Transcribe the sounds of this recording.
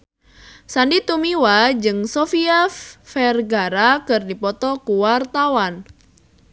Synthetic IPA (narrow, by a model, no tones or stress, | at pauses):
sandit̪umiwad͡ʒɨŋsofiɛfːɛrɡaɾakɨrdipɔt̪ɔkuwart̪awan